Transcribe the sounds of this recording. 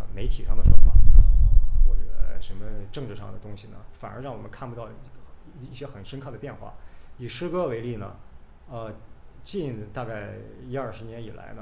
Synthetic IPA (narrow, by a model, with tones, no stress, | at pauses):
me˧˥ɪt̪ʰi˨˩ʂɑ˥ŋd̪ə˩fa˥˩nfɑ̰˨˩˥xwɔ˥˩ʈ͡ʂə˩˧ʂə˧˥nmə˧ʈ͡ʂɤ˥˧ŋʈ͡ʂɻ̩˥˩ʂɑ̰˥˩ŋd̪ə˩t̪ʊ˥ŋɕi˨˩nə̰˩fa˨˩nə̰˞˧˥ɻɑ˥˩ŋwɔ˨˩mə˦nkʰa˥˩npu˧˩t̪ɑ˥˩ʊ˥˩ | i˥˩ɕjɛ˥xə˨˩nʂə˥nkʰɤ˥˩d̪ə˩pjɛ˥˧nxwa̰˥˩i˨˩ʂɻ̩˥kɤ˥we˧˥ɪli˥˩nə̰˩ | ə˧t͡ɕi˥˧nt̪a˥˧ka˥˩ɪi˥ɐ˞˥˩ʂɻ̩˧˥njɛ˧˥ni˨˩la̰˧˥ɪnə˧